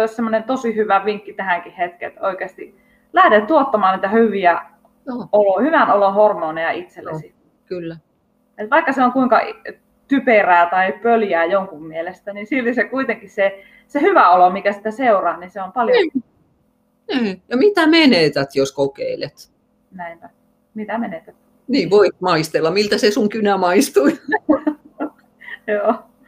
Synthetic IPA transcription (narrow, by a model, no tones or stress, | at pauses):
oissemːonent̪osihyʋæʋiŋkːit̪æhæŋkihet̪kḛt̪oikeɑst̪i | læhɾet̪t̪uot̪ːɑmɑːnniːt̪æhyʋiæ | olohyʋænolohormoːnejɑʔit̪selːḛsi | kylːæ | et̪ʋɑikːɑseoŋkuiŋkɑʔ | t̪yperæːt̪ɑipøljæːjoŋkummielest̪ænisilːisekuit̪eŋkisse | sehyʋæolomikæsi̥t̪ːæseurɑːninseompɑljo | niːjɑmit̪æmeneˑt̪æt̪joskokḛilḛt̪ | næimpæ | mit̪æmenet̪æt̪ | niːʋoikmɑist̪elːɑmilt̪æsesuŋkynæmɑist̪ui | joː